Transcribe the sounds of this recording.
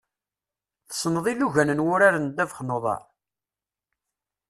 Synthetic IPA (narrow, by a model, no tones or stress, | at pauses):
θə̥sˤnəðˤilːuʝænənwʊɾaɾənd̪ævəχnoðˤɑ̰ɾˤ